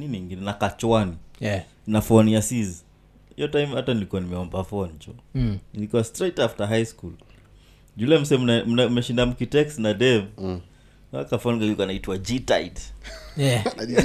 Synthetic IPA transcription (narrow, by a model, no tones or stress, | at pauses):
niniŋɡinɛnakat͡ʃwani | nafɔniasiz | ḭjɔtajmhatanilikuwanimɛɔmbafɔnt͡ʃɔnilikuwastɾɛtaftaɦajskul | d͡ʒulɛm̩sɛnmɛʃindam̩kitɛksnadɛv | a̰kafɔniŋɡalikanaitwad͡ʒitaid | ɛ